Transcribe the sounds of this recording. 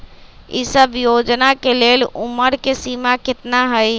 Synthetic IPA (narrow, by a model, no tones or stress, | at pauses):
ḭsəbʱjod͡ʒnakeleluməɾkesimakɪt̪naɦəj